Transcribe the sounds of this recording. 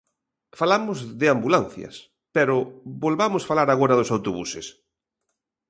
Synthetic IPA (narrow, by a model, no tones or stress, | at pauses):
falamʊzðɪambulanθjɐ̰s | pɛɾʊβolβamʊsfalaɾaɣoɾɐðʊsawt̪oβusḛs